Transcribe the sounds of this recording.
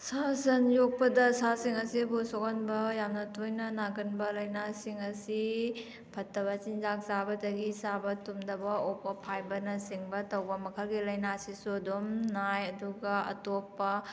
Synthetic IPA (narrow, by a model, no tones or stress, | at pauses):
sasɐnjok̚pɐdɐsasiŋɐsibusokʰanbɐjamnɐtʰujnɐnaɡɐnbɐlɐjnasiŋɐsi | pʰɐtːɐβɐt͡ʃinzak̚zabɐdɐɡisabɐtumdɐbɐopːɐpʰajbɐnɐsiŋbɐtɐwbɐmɐkʰɐlɡilɐjnasisuɐdumnajɐduɡɐɐ̰topːɐ